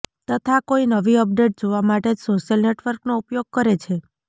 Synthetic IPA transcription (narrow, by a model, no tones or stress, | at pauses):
t̪ət̪ʰakoinəʋiəp̚ɖeʈ̚d͡ʒoʋamaʈed͡ʒsoʃjəlneʈʋəɾknoupjoɡ̚kəɾet͡ʃʰe